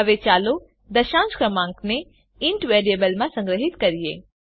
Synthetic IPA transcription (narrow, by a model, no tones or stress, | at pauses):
ɐʋet͡ʃaːlo | d̪ɐʃãːnt͡ʃkɾɐmãːŋkne | ɪɳʈʋeːɾijebəlmãsɐ̃ŋɡɾəɦɪt̪kɐɾijḛː